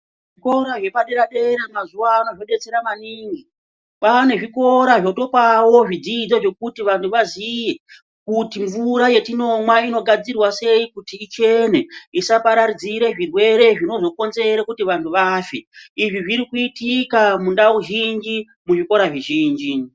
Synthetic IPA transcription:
ʐiko̞ɾaʐe̞paɗe̞ɾaɗe̞ɾemazuaːnoʐoɗe̞t͡se̞ɾamaniŋɡi | pane̞ʐiko̞ɾaʐo̞to̞pawo̞ʐid͡zid͡zo̞ʐe̞kutiʋantʰuʋazije̞ | kutiɱvuɾaje̞tino̞mwaino̞ɡʱad͡zirwase̞ikutiːt͡ʃe̞ne̞isapaɾaɾid͡ziɾe̞ʐirwe̞ɾe̞ʐino̞zo̞ko̞nze̞ɾekutiʋantʰuʋaːfeiʐiʐiɾikuitikamundauɦiŋd͡ʒi | muʐiko̞ɾaʐiʒiːnd͡ʒi

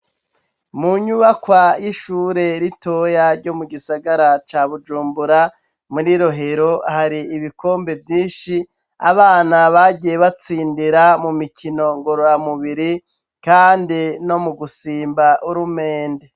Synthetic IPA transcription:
muɲuβakwajiʃuːɾe̞ɾitojaɾɟo̞muɡisaɡaɾat͡ʃaːβud͡ʒuːmbuɾa | muɾiɾo̞ɦe̞ɾo̞ahaɾiːβiko̞ːmbe̞vjiːnʃi | a̰βaːnaβaɟije̞βat͡siːndiɾamumikʰino̞ŋɡo̞ɾoɾamuβiɾi | kaːndino̞muɡusiːmbaʔuɾume̞ːnde

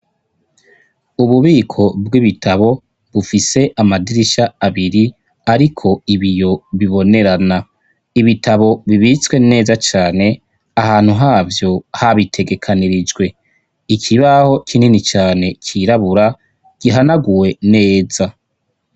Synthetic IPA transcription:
uβuβiːkʰo̞bɡiβitʰaβo̞ | βufise̞ʔamadiɾiʃaːβiɾi | aɾikʰo̞iβijo̞βiβo̞ne̞ɾana | iβitʰaβo̞βiβit͡swe̞ne̞ːzat͡ʃaːne̞ | aɦaːn̥huɦaːvjo̞haβitʰe̞ɡe̞kʰaniɾid͡ʒɡwe̞ | ikʰiβaho̞kʰininit͡ʃaːne̞cʰiːɾaβuɾa | ɡ̥iɦanaɡuwe̞ne̞ːza

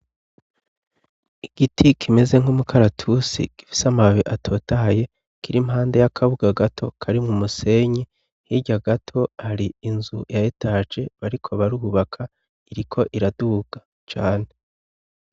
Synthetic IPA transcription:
iɡ̥itʰikʰime̞ze̞ŋhumukʰaɾatʰusḭɡ̥ifi̥samaβiʔatʰo̞ːtaɦaje̞ | kiɾimɦaːnde̞jakʰaβuɡaɡatʰo̞kʰaɾimŋumuse̞ɲi | hiɟaɡatʰo̞haɾiinzujaetaːd͡ʒe̞βaɾikʰo̞βaɾuβakʰa | iɾikʰo̞ʔiɾaduɡ̥a | t͡ʃaːne̞

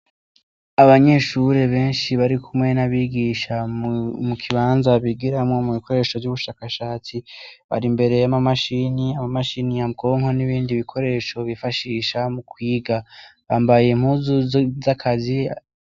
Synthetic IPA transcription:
aβaɲe̞ʃuɾe̞βe̞ːnʃiβaɾikʰumŋe̞naβiːɡiʃamukʰiβaːnzaβiɡiɾamŋo̞muβikʰo̞ɾe̞ːʃo̞vɟuβuʃaːkaʃaːt͡siβa̰ɾimbe̞ɾe̞jamamaʃiniamamaʃiːniabɡo̞ːŋhoniβiːndiβikʰo̞ɾe̞ʃo̞βifaʃiːʃamukwiːɡaβaːmbaje̞m̥huzuzzakʰazi

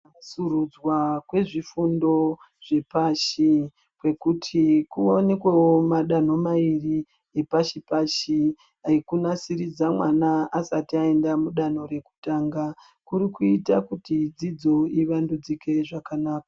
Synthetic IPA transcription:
suɾud͡zwakwe̞ʐifundo̞ | ʐ̥e̞paʃi | kwe̞kutʰikuonekwewomaɗan̤o̞mairi | epaʃipaʃi | aikunasiɾid͡zamwanaasatiae̞ndamuɗan̤o̞ɾe̞ku̥taːŋɡa | kuɾikuitakutid͡zid͡zo̞iʋandud͡zike̞ʐakanaːkḁ

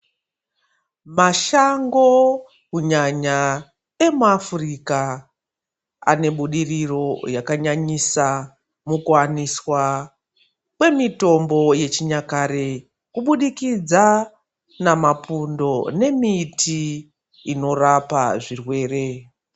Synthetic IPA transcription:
maʃaŋɡo̞ | kuɲaɲa | e̞muafurika | a̰ne̞ɓuɗiriro̞jakaɲaɲisa | mukuaniswa | kwe̞mito̞mbo̞je̞t͡ʃiɲakaɾe | kuɓuɗikid͡za | namapundo̞ne̞mitʰiː | no̞rapa̰ʐirwe̞ːre̞

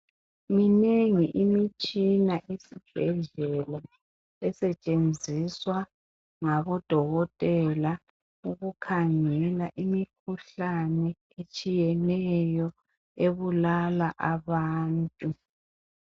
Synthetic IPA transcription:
mineŋiʔimit͡ʃʼinaʔisib̥ʱɛɮɛla | ɛsɛt͡ʃʼend͡zʱiswa | ŋaβɔd̥ʱɔɣɔtʼɛla | uɣukʰaŋɛlaʔimikʰuɬanɛ | et͡ʃʼijɛnɛjɔ | eβulalaʔaβaːntʼu

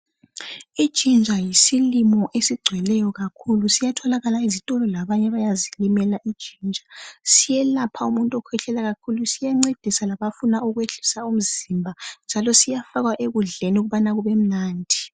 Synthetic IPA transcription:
i̥ʒ̥ʱʼind͡ʒʱajisilimɔʔesiɡ͡ǀʱwɛlɛjɔɣakʰulusijatʰɔlaɣalaizitʼɔlɔlaβaɲɛβajazilimɛlaʔid̥ʒ̥ʱind͡ʒʱasijɛlapʰaumuntʼɔkʰwɛɬʰɛlaɣakʰulusijaŋ͡ǀed̥ʱisalaβafunauɣweɬi̥saum̩zimbʱand͡ʒʱalɔsijafaɣwaʔeɣuɮeniuɣuβanaɣuβem̩naːndʱi

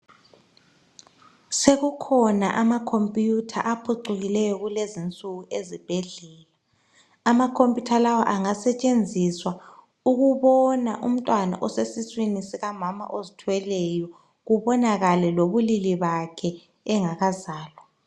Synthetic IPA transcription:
seɣukʰɔna̰ʔamakʰompʼjutʰa̰ʔapʰuǀuɣilɛjɔɣulezint͡sʼuɣuʔezib̥ʱɛɮɛːla | amakʰompʼjutʰalawa̰ʔaŋasɛt͡ʃʼend͡zʱiswa | uɣuβɔna̰ʔṵm̩tʼwana̰ʔɔsesiswinisiɣamama̰ʔozitʰwɛlɛjɔ | ɣuβɔnaɣalɛloβuliliβakʰɛː | ŋaɣazaːlwɔ

